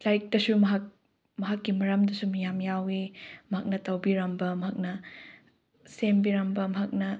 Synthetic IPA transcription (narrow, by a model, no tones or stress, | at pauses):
lajk̚dɐsumɐɦak̚ | mɐɦakːimɐɾɐmdɐsumijamjawimɐɦak̚nɐtɐwbiɾɐmbɐmɐɦak̚nɐ | sembiɾɐmbɐmɐɦak̚nɐ